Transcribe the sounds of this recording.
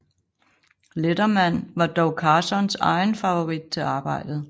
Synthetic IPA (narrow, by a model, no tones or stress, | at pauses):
ledɐmæn̰ʋɑ̈d̥ɒʊkʰɑ̈ːsɒnsɑ̈ɪnfɑʋo̝ʁid̥̚t͡sʰe̝ɑ̈ːb̥ɑ̈ɪ̰d̥ð̩ˠ